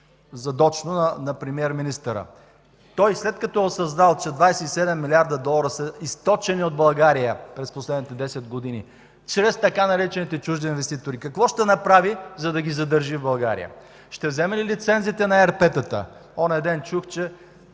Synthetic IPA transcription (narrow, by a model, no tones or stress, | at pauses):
zɐd̪ɔt͡ʃnonɐnɐpɾɛmiɛɾminist̪əɾə̰ | t̪ɔjslɛt̪̚kɐt̪ɔɛosɐznalˠt͡ʃɛd̪vajsɛisɛd̪ɛmːilʲiaɾd̪ɐd̪ɔlˠɐɾəsəist̪ɔt͡ʃɛniod̪̚bɐlˠɡaɾijəpɾɛsposlɛd̪nit̪ɛd̪ɛsɛd̪̚ɡod̪inḭ | t͡ʃɾɛst̪ɐkanɐɾɛt͡ʃɛnit̪ɛt͡ʃuʒd̪iinvɛst̪it̪oɾikɐkvɔʃt̪ɛnɐpɾavizɐd̪ɐɡʲizɐd̪əɾʒivbɐlˠɡaɾḭjə̰ | ʃt̪ɛvzɛmɛlilit̪sɛnzit̪ɛnɐɛɾpɛt̪ət̪ə̰ɔnɛd̪ɛnt͡ʃuxt͡ʃɛ